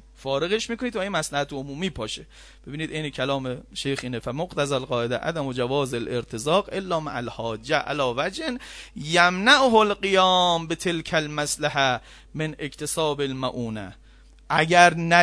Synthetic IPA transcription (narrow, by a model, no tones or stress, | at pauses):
fɒːɾe̞ɣeʃmiːkʰo̞niːd̪væinmæslæhæt̪ʰeomuːmiːpʰɒːʃe | b̥e̞biːniːd̪ejnekʰælɒːmeʃejxʔiːnefæmoqt̪ʰæzælɢɒːʔed̪æʔæ̰d̪æmod͡ʒævɒːzelʔeɾt̪ʰezɒːqʔe̞lːɒːma̰ʔælhɒːd͡ʒːæʔæ̰lɒːvæd͡ʒhenjæmnaʔoɦolɢijɒːmbet̪ʰe̞lkʰælmæslæɦæ | menekt̪ʰesɒːbelmæʔuːnæ | ʔæɡæɾnæ